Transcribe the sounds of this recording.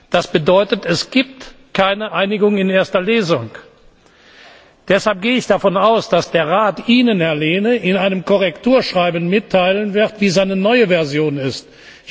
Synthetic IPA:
d̥asb̥ədɔʏtətɛsɡ̥iːp̚tkʰaɪnəʔaɪnɪɡʊŋɪneːɐstɐleːzʊŋ | d̥ɛshalp̚ɡ̥eːəɪçd̥afɔnaʊsd̥asd̥eːɐʁaːtʔiːnənɛɐleːnəʔɪnaɪnəmkɔʁɛktuːɐʃʁ̥aɪbn̩mɪtʰːaɪlənvɪʁtv̥iːzaɪnənɔʏəvɛɐzjoːnɪst

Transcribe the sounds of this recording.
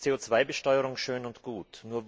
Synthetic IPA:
t͡seːoːt͡sv̥aɪbəʃtɔʏəʁʊŋʃøːnʊntɡ̥uːtnuːɐv

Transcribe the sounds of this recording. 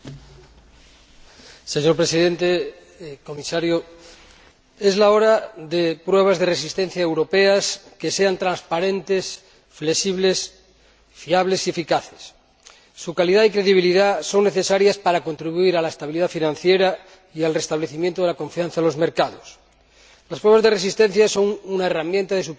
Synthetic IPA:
seɲoɾpɾesiðẽ̞nt̪e | ko̞misaɾjo | ezlaoɾaðepɾweβ̞azðeresist̪en̟θjaewɾo̞peaskeseant̪ɾãnspaɾẽ̞nt̪es | flesiβles | fiaβle̞sie̞fikaθesː | ukaliðaikɾe̞ðiβ̞iliðaso̞ŋːe̞θe̞saɾjaspaɾakont̪ɾiβuiɾalaest̪aβiliðafinãn̟θjeɾa | ialre̞st̪aβ̞leθimjent̪oðelako̞ɱfianθalo̞zmeɾkaðos | laspɾwe̞βazðeresist̪en̟θjaso̞ŋunaeramjẽnt̪aðe̞su

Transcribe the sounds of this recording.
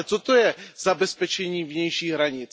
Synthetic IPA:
t͡sot̪ojɛzabɛspɛt͡ʃɛɲiːvɲɛjʃiːɣɦɾaɲɪt͡s

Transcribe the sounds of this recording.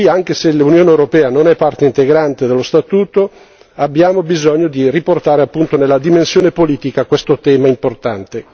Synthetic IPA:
iaŋk̟eselunjoːnewɾopɛːanonɛpːart̪eint̪eɡɾant̪ed̪elːost̪at̪uːt̪o | abːjaːmobizɔɲːod̪iriport̪aːɾeapːunt̪onelːad̪imensjoːnepoliːt̪ikakwest̪ot̪ɛːmaimport̪ant̪e

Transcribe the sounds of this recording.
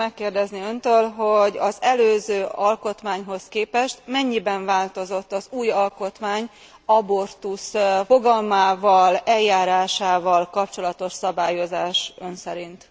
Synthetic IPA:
ɛkːeːrd̪ɛzniønt̪øːlɦo̞ɟɒzɛløːzøːʔɒlko̞t̪maːɲɦo̞skeːpɛʃt̪mɛɲːibɛɱvaːlt̪o̞zo̞t̪ːɒzuːjɒlko̞t̪maːɲ | ɒbo̞rt̪usfo̞ɡɒlmaːvɒlɛljːaːɾaːʃaːvɒlkɒp̚t͡ʃo̞lɒt̪o̞ʃsɒbaːjo̞zaːʃønsɛɾint̪

